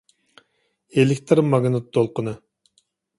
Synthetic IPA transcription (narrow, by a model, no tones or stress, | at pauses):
elekʲt̪ɾmɑɡnɨt̪̚ːolˠqʊnɨ